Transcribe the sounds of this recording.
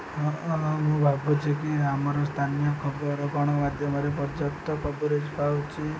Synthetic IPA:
ɦɦũbʱabut͡ʃʰikiamaɾɔst̪ʰanijɔkʰɔbɔɾɔkɔɽ̃ɔmad̪ʱjɔmaɾep̬ɔɾd͡ʒɔkt̪ɔpɔbɔɾed͡ʒpawt͡ʃʰi

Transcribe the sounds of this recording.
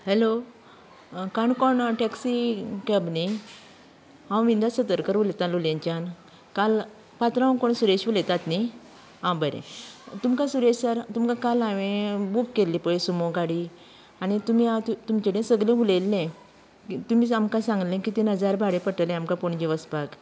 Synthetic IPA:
hɛlo | kaɳkɔɳʈɛksikɛbni | ɦãwʋind̪asət̪əɾkəɾʋulet̪ãluljãɲt͡ɕan | kal | pat̪ɾãʋkɔɳsuɾeɕʋulet̪at̪ni | ɦãbəɾḛ̃t̪umkãsuɾeɕsaɾt̪umkãkalãʋẽbukːelːipəɭsumoɡaɽi | anit̪um̤iat̪ut̪umt͡ɕeɽẽsəɡlẽʋulelnẽ | kit̪umiːamkãsãŋɡlẽkit̪inəd͡zaɾbʱaɽepəʈəlẽamkapoɳd͡ʑiʋəspak

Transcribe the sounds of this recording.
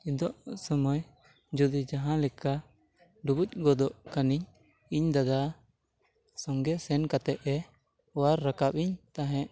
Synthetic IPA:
id̪ɔʔsɔmɔj | d͡ʒud̪id͡ʒaɦãlɛka | ɖubuc̚ɡɔd̪ɔʔkaniɲ | iɲd̪ad̪a | sɔŋɡɛsɛnkat̪ɛʔɛ | waɾːakapiɲt̪aɦɛ̃ʔ

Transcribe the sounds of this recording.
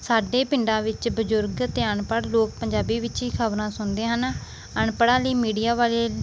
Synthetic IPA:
saːɖeːpɪɳɖãːʋɪt͡ʃbəd͡ʒʊɾɡət̪eːəɳpəɽloːk̚pəɲd͡ʒaːbiːʋɪt͡ʃiːkʰəbɾãːsʊnd̪eːɦən | əɳpəɽãːləiːmiːɖijaːʋaːleː

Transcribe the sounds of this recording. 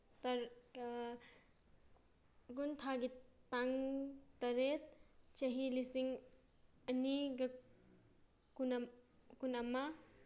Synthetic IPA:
tɐɾ | ɡunt̪ʰaɡitaŋtɐɾet̪̚t͡ʃɐɦilisiŋ | ɐniɡɐ | kun | kunama

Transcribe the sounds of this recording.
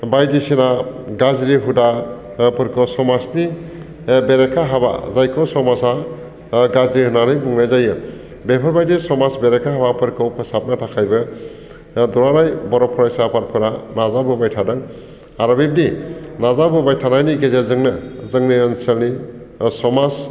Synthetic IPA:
bajdisinaɡazɾiɦuda | pʰɯɾkʰɔsɔmasni | beɾekʰaɦaba̰zajkʰɔsɔmasa | ɡazɾihɯnaɾɯjbuŋnajzajɯ | bepʰɔɾbajdisɔmasbeɾekʰaɦabapʰɯɾkʰɯwpʰɯsap̚natʰakʰajbɯ | d̪ɔɾaɾajbɔɾɔpʰɔɾajsapʰaɾpʰɯɾanazabɯbajtʰadaŋ | aɾɔbib̚ninazabɯbajtʰanajniɡezezɯŋnɯzɯŋniːnselnisɔmas

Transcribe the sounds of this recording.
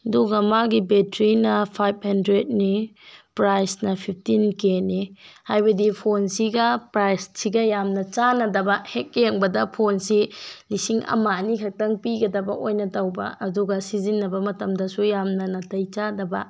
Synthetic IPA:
duɡɐmaɡibetɾinɐpʰajb̚hɐndɾet̚nipɾajsnɐpʰip̚ʰtinkenihajbɐdipʰonsiɡɐpɾajssiɡɐjamnɐt͡ʃanɐdɐbɐhek̚jeŋbɐdɐpʰonsilisiŋɐ̰manikʰɐk̚tɐŋpiɡɐdɐbɐʔojnɐtɐwbɐ̰ɐduɡɐsizinːɐbɐmɐtɐmdɐsujamnɐnɐtɐjt͡ʃadɐbɐ

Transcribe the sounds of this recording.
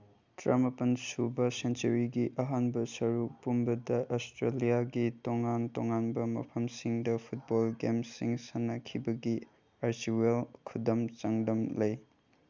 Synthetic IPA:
tɾɐmɐpɐnsubɐsent͡ʃɐɾiɡiʔɐɦanbɐsɐɾupumbɐdɐʔostɾelijaɡitoŋantoŋanbɐmɐ̰pʰɐmsiŋdɐpʰut̚bolɡemsiŋsɐnːɐkʰibɐɡi | aɾsiwelkʰudɐmt͡ʃɐŋdɐmlɐj

